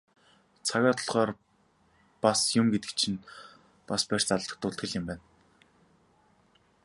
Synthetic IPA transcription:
t͡sʰaɣʲaːt̪ʰɞ̆ɮχɔːr | pasjʊmɡet̪ɘ̥̆k̚t͡ɕʰĭn | paspær̥t͡saɮt̪ə̆k̚t̪ʊɬt̪ɡɘ̆ɮɪ̆mpæːn

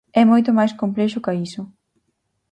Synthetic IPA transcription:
ɛmojt̪̬ʊmajskomplɛʃʊkɐisʊ

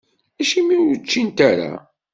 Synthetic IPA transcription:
æʃimiwjət͡ʃːint̪aɾa̰

